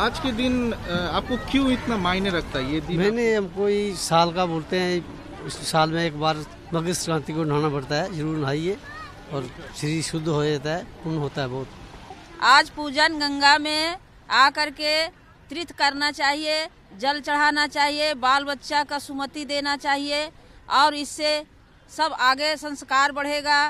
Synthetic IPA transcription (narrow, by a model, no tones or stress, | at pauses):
aːd͡ʒked̪ɪnaːp̚kokjũɪt̪namaːɪneɾɐkʰt̪ajed̪imɛ̃ːneɦɐmkoːisaːlkaboːlt̪eɦɛ̃ | ssaːlmẽeːkbaːɾ | məɡɪst̪ɾãːt̪ikon̤aːnabɐɽ̤t̪aɦɛd͡ʒəɾuːɾnəɦaːie | ɔːɾʃɾiːʃʊd̪ʱːɦod͡ʒaːt̪aɦɛpʊnɦoːt̪aɦɛbɔːt̪ | aːd͡ʒpuːd͡ʒənɡə̃ŋɡamẽ | akəɾke | t̪ɾɪt̪ʰkəɾnat͡ʃaːɦie | d͡ʒəlt͡ʃəɽ̤anat͡ʃaːɦiebaːlbətːʃakasumət̪id̪eːnat͡ʃaːɦieɔːɾɪsːe | səbaːɡesə̃nskaːɾbəɽ̤eɡa